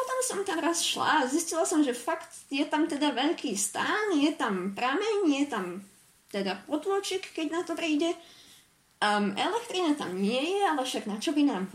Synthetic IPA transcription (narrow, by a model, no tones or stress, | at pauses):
pɔt̪ɔmsɔmt̪amɾasʃla̰ziscilasɔmʒɛfakt̪jɛt̪amt̪ɛd̪aʋɛʎkiːst̪aːnjɛt̪ampɾamɛɲjɛt̪am | t̪ɛd̪apɔd̪lɔt͡ʃikːɛɟnat̪ɔpɾiːɟɛ | ɛ̰lɛkt̪ɾinat̪a̰mɲɪɛjɛalɛfʃaɡnat͡ʃɔbinaːm